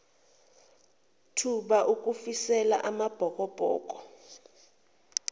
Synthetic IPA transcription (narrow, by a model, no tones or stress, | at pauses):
tʰuɓaʔuk̬ʼufisɛla̰ʔamab̥ʱɔkʼɔb̥ʱɔ̰ːk̬ʼɔ